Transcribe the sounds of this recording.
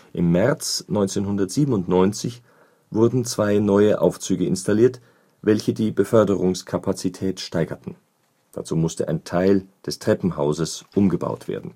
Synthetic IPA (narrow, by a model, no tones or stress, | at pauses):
ʔɪmːɛɐt͡snɔʏnt͡senɦʊndɐtz̥iːbən̩ʊntnɔʏnt͡sɪç | vʊɐdn̩t͡sv̥aɪnɔʏəʔa̰ʊft͡syːɡəɪ̰nstaliːɐt | vɛlçədiːbəfœɐdəʁʊŋskʰapʰat͡sitʰɛːtʃtaɪɡɐtn̩ | d̥a̰t͡suːmʊstəʔaɪntʰaɪld̥ɛstʁ̥ɛpm̩haʊzəsʔʊmɡəba̰ʊtv̥ḛːɐdn̩